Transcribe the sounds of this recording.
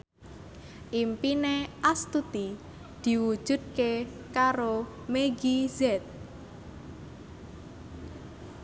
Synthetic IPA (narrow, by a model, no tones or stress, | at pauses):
ʔimpineʔast̪ut̪i | d̪̥i̤wud̥ʒ̥ṳd̪̚ke | kaɾo | meɡizɛt̪̚